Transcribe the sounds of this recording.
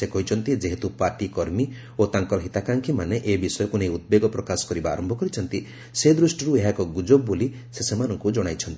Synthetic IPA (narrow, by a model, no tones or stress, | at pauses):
ekɔɦit͡ʃʰɔnt̪id͡ʒeɦet̪upaɾʈikɔɾmi | ot̪aŋkɔɾɔɦit̪akaŋkʰimaneʔebisɔjɔkunejud̪̚beɡɔpɾɔkasɔ̥kɔɾiba̰ːɾɔmbʱɔkɔɾit͡ʃʰɔnt̪i | sed̪ɾusʈɔɾueɦakɔɡud͡ʒobːoli | sesemanɔŋkud͡ʒɔɽ̃ajt͡ʃʰɔnt̪i̥